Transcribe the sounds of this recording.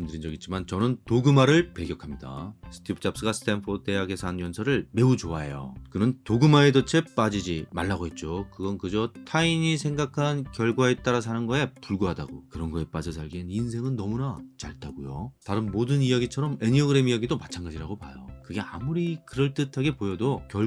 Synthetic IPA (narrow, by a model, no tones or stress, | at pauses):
mdɯɾind͡ʑʌɡit͡ɕʰimant͡ɕʌnɯntoɡɯmaɾɯɭpeɡjʌkʰamɲida̰sʰɯ̥tʰipʰɯ̥t͡ɕ͈ap̚s͈ɯɡasʰɯ̥tʰenpʰodte̞jaɡe̞sʰanjʌnsʰʌɾɯɭme̞ut͡ɕoaḛjo̰kɯnɯntoɡɯmae̞dot͡ɕʰep͈ad͡ʑid͡ʑima̰ɭːaɡoɦet̚t͡ɕ͈okɯɡʌnkɯd͡ʑʌtʰainisʰe̞ŋɡakʰankjʌɭɡwaet͈aɾas̬ʰanɯnɡʌe̞puɭɡuɦada̰ɡo̰kɯɾʌnɡʌe̞p͈ad͡ʑʌsʰaɭɡinins̬ʰe̞ŋɯnːʌmunat͡ɕaɭt͈aɡojo̰taɾɯnmodɯnijaɡit͡ɕʰʌɾʌme̞ɲiʌɡɯɾe̞mijaɡidomat͡ɕʰanɡad͡ʑiɾaɡopajo̰kɯɡe̞a̰muɾikɯɾʌɭt͈ɯtʰaɡe̞pojʌdokjʌ